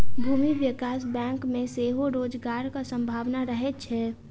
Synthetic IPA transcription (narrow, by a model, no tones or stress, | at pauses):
bʱuːmiʋjɪkaːs̬bɛ̃ːŋkmẽseːɦoɾoːd͡ʒɡaːɾkasə̃mbʱaːʋnaɾəɦɛt͡ʃʰɛː